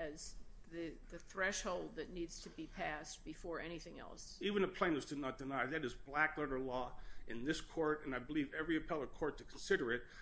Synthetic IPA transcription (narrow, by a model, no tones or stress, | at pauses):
ɨzðɨðɨθɹɛʃhoʊlˠd̪̚ðɨtⁿnidz̥tʰɨbipʰæsb̥ɨfɔɹɛñiθɪ̃ŋɛ̰lˠsivɨ̃nɨpʰl̥ẽɪ̃nɨsd̥ɨdⁿnət̚d̥ɨnaɪðɨɾɨzblæklɛɾə˞lɔɨ̃nðɪskʰɔɹɾɨ̃naɪbəlivɛvɹiɨpʰɛlˠə̥˞kʰɔɹtʰɨkʰn̩sɪɾə˞ɨt̚